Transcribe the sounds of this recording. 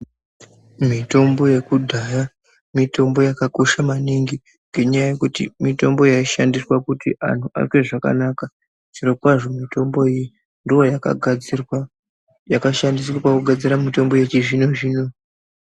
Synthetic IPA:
mito̞mbo̞je̞kudʱaja | mito̞mbo̞jakako̞ʃamaniŋɡi | ŋɡe̞ɲajaje̞kutḭmito̞mbo̞jaiʃandiswakutiʔa̰n̤uʔa̰rkwe̞ʐaka̰naka | ʐ̥irokwaʐo̞mito̞mbo̞iji | ndiwo̞ja | jakaʃandis̬wakwakuɡʱad͡ziɾamito̞mbo̞jet͡ʃiʐino̞ʐiːno̞

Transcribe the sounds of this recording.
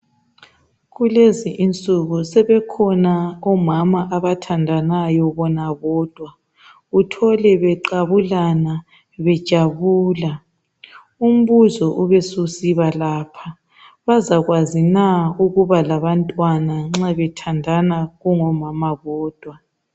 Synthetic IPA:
ɣuleziʔint͡sʼuɣusɛβɛkʰɔnaɔmamaʔaβatʰandʱanajɔβɔnaβɔːd̥ʱwa | utʰɔlɛβɛǃaβulana | βɛd̥ʒ̥ʱaβuːla | um̩βuzɔʔuβesusiβalaːpʰa | βazaɣwazinauɣuβalaβantʼwanaŋ͡ǁaβɛtʰandʱanaɣuŋɔmamaβɔːd̥ʱwa

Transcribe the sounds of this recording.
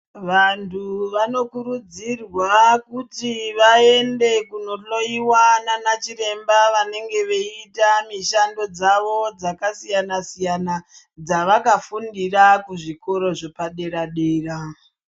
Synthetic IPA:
ʋantʰuʋano̞kuɾud͡zirwakutiʋae̞nde̞kuno̞ɬo̞iwananat͡ʃiɾe̞mbaʋane̞ŋɡe̞ʋe̞itamiʃando̞d͡zaʋo̞d͡zakasijanasijana | d͡zaʋakafundirakuʐiko̞ɾo̞ʐepaɗe̞ɾaɗeːra

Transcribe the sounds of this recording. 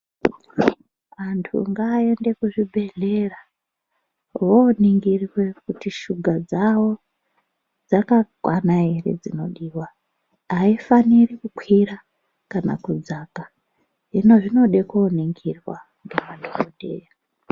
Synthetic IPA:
ʋantʰṵŋɡaːe̞nde̞kuʐibʱe̞ɮe̞ra | woniŋɡirwe̞kutiʃuɡʱad͡zawo̞ | d͡zakakwanairḛd͡zino̞ɗiːwa | aifanirikukʰwira | kana̰kud͡zaka | ɦino̞ʐino̞ɗekoniŋɡirwa̰ | ŋɡemadʱorodʱḛːja

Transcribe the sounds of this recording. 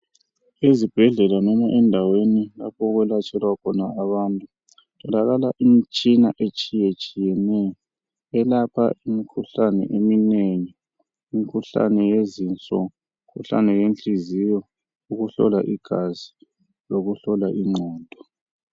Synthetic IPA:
ezib̥ʱɛɮɛlanɔmaʔɛndʱawenila̰pʰɔɣwɛlat͡ʃʼɛlwakʰɔnaːβaːntʼu | tʰɔlaɣalaʔimt͡ʃʼinaʔet͡ʃʼijɛt͡ʃʼijɛnɛjɔ | ɛlapʰa̰imikʰuɬanɛ̰ʔemineŋiː | mikʰuɬa̰nɛjezint͡sʼɔ | ŋkʰuɬa̰nɛjent͡ɬizijɔ | uɣuɬɔ̰laʔiɡ̥ʱazi | loɣuɬɔlaʔiŋ͡ǀʱɔːd̥ʱɔ

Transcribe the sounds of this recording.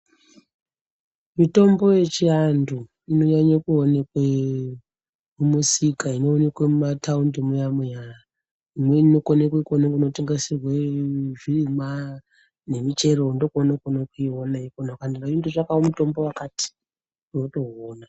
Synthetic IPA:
mito̞mbo̞je̞t͡ʃiandu | ino̞ɲaɲakuonekwe | mumusikainoːne̞kwemumatʰaundemujamwejaa | imwe̞ino̞konekwekuonekinoteŋɡesirweʐirima | ne̞mit͡ʃe̞ɾondokonakonakuiɦonaikonakandiraindoʐakaomuto̞mbo̞wakati̥ | uno̞to̞ɦoːna

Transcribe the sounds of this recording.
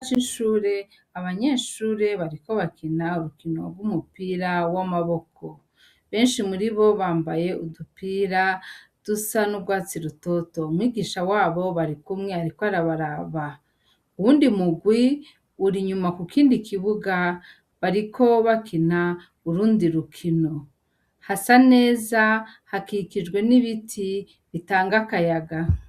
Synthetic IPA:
t͡ʃinʃuːɾe̞ | aβaɲe̞ːʃuːɾe̞βaɾiko̞βakinauɾukino̰ɡumupiːɾawamaβo̞kʰo̞ | βe̞ːnʃimuɾiβo̞βaːmbaje̞udupiːɾad̥usanubɡwaːt͡siɾuto̞to̞umwiːɡiːʃawaːβo̞βaɾikumŋeaɾikoaɾaβaɾaβa | uwuːndimuɡwi | uɾiɲumakukiːndikiβuɡa | βaɾikʰo̞βakina | uɾuːndiɾukʰino̞ | hasane̞ːzahakikid͡ʒɡwe̞niβitʰi | βitaːŋɡakajaɡa

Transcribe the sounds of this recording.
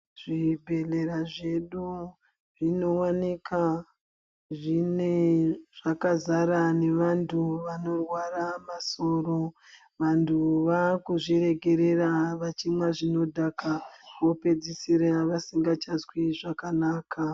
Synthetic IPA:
ʐ̥ibʱe̞le̞ɾaʐe̞ɗu | ʐ̥ino̞wanika | ʐine̞ʐ̥akazaɾane̞ʋantʰuʋano̞rwaramaso̞ːɾo̞ | ʋantʰuʋakuʐiɾe̞ɡʱe̞ɾe̞ɾaʋat͡ʃimwaʐino̞dʱakaʋope̞d͡zisiɾaʋasiŋɡat͡ʃazwiʐakanaːka

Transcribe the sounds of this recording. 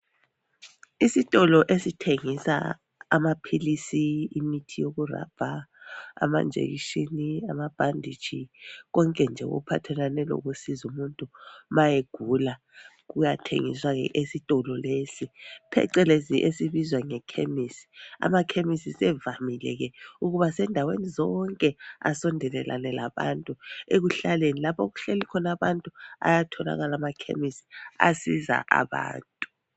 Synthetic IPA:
isitʼɔlɔʔesitʰeŋisa̰ | amapʰilisiimitʰijoɣura̰b̥ʱa̰ː | ma̰nd͡ʒʱḛɣiʃinia̰mab̥ʱandʱi̥t͡ʃiɣɔŋkʼɛnd͡ʒʱɛɣṵpʰatʰɛlanɛlɔ̰ɣusizumuntʼumajeɡ̥ʱula | ɣujatʰḛŋḭswaɣɛ̰ʔesitʼɔlɔlesipʰɛ̰ǀɛleziʔesiβizwaŋɛkʰemisi̥a̰makʰemisisɛvamilɛ̰ɣɛuɣuβasɛndʱawenizɔŋkʼɛa̰sɔndʱɛlɛla̰nɛlaβa̰ntʼueɣuɬalenilapʰoɣuɬelikʰɔnaβantʼua̰jatʰɔla̰ɣalamakʰḛmisi̥a̰siza̰ʔa̰βa̰ːntʼu

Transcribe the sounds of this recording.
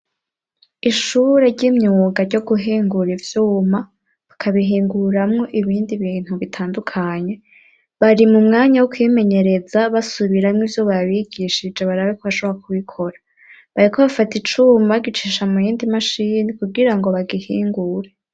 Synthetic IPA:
iʃuːɾe̞ɾɟimɲuːŋɡaɾɟo̞ɡuɦiːŋɡuɾivjuːma | βakʰaβiɦiːŋɡuɾamŋo̞ʔiβiːndiβiːn̥huβitʰaːndukʰaɲe̞ | βaɾimumŋaːɲawokwime̞ɲe̞ɾe̞zaβasuβiɾamŋivjoβaβiɡiʃid͡ʒeβaɾaβekʰoβaʃoβoɾakuβikʰo̞ɾa | βaɾikʰoβafatit͡ʃumaɡit͡ʃiʃamujiːndimaʃinikuɡiɾaŋɡo̞βaɡihiːŋɡuːɾe

